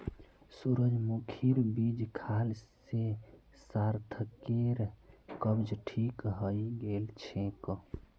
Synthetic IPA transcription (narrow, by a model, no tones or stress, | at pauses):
suɾəd͡ʒmukʰiɾbid͡ʒkʰalse | saɾt̪ʰəkeɾkəbd͡ʒʈʰikɦəiɡelt͡ʃʰẽkɔ